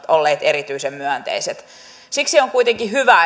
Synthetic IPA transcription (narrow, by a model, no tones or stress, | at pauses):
t̪olːeːt̪eɾit̪yisemmyænt̪ḛiset̪ | siksioŋkuit̪eŋkihyʋæ